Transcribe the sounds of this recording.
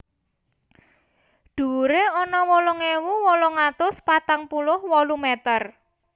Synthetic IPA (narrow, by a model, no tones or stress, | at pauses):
ɖ̪̥uɾeɔnɔwɔlɔŋewuwɔlɔŋat̪ʊspat̪aŋpulʊhwɔlumɛt̪ər